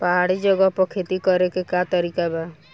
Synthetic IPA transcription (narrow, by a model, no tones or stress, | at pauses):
paɦaɽid͡ʒɔɡɔpɔkʰet̪ikɔɾekekat̪ɔɾikaba